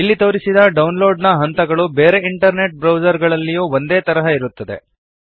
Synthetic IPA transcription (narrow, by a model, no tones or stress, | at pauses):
ilːit̪o̞ːɾisid̪ɐɖɐwnlo̞ːɖnɐɦɐnt̪ɐɡɐɭubeːɾeiɳʈɐɾne̞ʈ̚bɾɐwd͡ʒɐɾɡɐɭɐlːijuːʋond̪eːt̪ɐɾɐɦɐiɾut̪ːɐd̪e̞̰